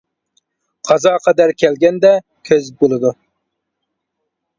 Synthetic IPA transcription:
qʰɑzɑqʰɑd̪æɾkʲʰɛlɡʲɛnd̪ɛ | kʲʰøzbolˠɨd̪u

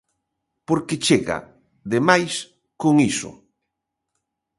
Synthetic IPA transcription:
poɾket͡ʃeɣa̰ | ðemajs | koŋisʊ̰

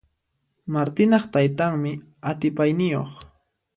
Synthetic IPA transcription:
maɾt̪ɪnɑχt̪ajt̪aŋmɪ | at̪ɪpajnɪjo̰χ

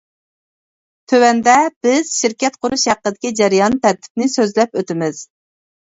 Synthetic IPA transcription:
t̪ʰøwɛnd̪ɛb̥ɪz̥ʃiɾkʲɛt̪̚qʰʊɾuʃhæqːəd̪ɪkʲid͡ʒɛɾijɑnt̪ʰæɾt̪ʰɪ̥p̚nɪsøzlɛpøt̪ɪmɪz̥

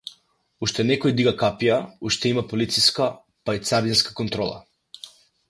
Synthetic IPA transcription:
uʃt̪ɛnɛkɔjd̪iɡakapijauʃt̪ɛimapolit̪siska | pait̪saɾd̪inskḁkɔnt̪ɾɔlˠa̰

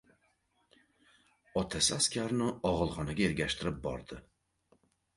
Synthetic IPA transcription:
ɒt̪ʰasɪaskʲaɾnɪɒʁɨlˠχɒnaɡʲaeɾɡʲaʃt̪ʰɪɾɪp̚bɒ̰ɾd̪ɪ

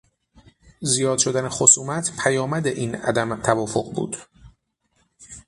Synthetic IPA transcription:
zijɒːd̪̥ʃo̞d̪ænexo̞suːmæt̪ʰpʰæjɒːmæd̪eʔiːnæ̰d̪æmt̪ʰævɒːfoɢbṵːd̪̥

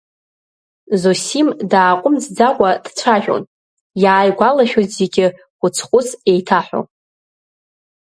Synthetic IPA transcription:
zosimdaːqʷʼʊmd͡zd͡zakʷʼad̥t͡ɕʷʰaʒᶣo̰n | jaːjɡʷalaʃʲᶣojtzeɡʲɪ | χʷʊt͡sʰχʷʊse̞jtʰaħʷᶣo̰

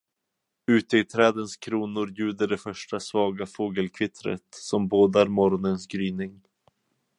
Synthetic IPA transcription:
ʉ̟ːt̪əɪt̪ʰɾɛːd̪ənskʰɾuːnʊɾjʉ̟ːd̪əɖɛfœʂʈasvɑːɡafoːɡəlkʰvɪt̪ʰɾə̰t̪sɔmboːd̪aɾmɔɾɔnənsɡɾyːnɪŋ

